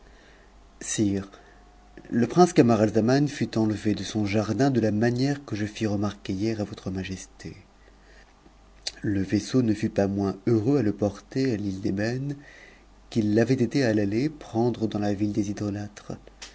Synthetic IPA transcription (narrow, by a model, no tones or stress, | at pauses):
siʁ | ləpχɛ̃skamaʁalzamanfyt̪ɑ̃ləved̪əsɔ̃ʒaʁd̪ɛ̃d̪əlamanjɛʁkəʒəfiʁəmaʁkejɛʁavɔt̪χəmaʒɛst̪ḛ | ləvesonəfypamwɛ̃øʁøaləpɔʁt̪ealild̪ebɛn | kilːavɛt̪et̪ealalepχɑ̃d̪ʁəd̪ɑ̃lavild̪ezid̪ɔlat̪χ